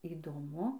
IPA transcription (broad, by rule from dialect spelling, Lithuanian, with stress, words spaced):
iːdoːˈmʊ